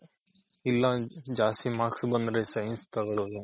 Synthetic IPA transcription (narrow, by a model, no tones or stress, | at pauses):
ilːad͡ʒaːst̪imaːksbɐnd̪ɾesɐjɐnst̪ɐɡɐɭoːʋu